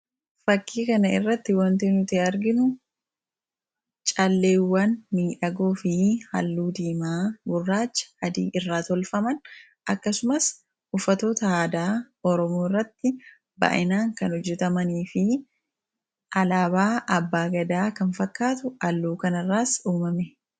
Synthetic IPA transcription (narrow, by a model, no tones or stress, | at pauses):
fɐkːiːkɐnɐɪ̰rːɐt̪ːɪwɐnt̪eːnʊt̪eɐɾɡɪnʊ | t͡ʃʼɐlːe̞ːwːɐnːmiːᶑɐɡoːfɪhɐ̰lːuːd̪iːmaːbʊrːaːt͡ʃːɐ̥hɐd̪iːʔɪrːaːt̪ɔlfɐmɐn | ʔɐkːɐsʊmɐs | ʔʊfːɐt̪o̞ːt̪ɐhaːd̪aː | ɔɾɔmoːɪrːɐt̪ːɪ | bɐ̰ʔɪnaːŋkɐnɔd͡ʒːɛt̪ɐmɐniːfɪ | ʔɐlaːbaːʔɐbːaːɡɐd̪aːkɐnfɐkːaːt̪ʊɐlːuːkɐnɐrːaːsuːmɐmɛ